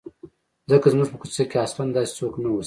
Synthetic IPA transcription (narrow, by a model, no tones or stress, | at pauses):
zəkazmuʐpəkusekeɑsfand̪ɑse̥t͡soknawos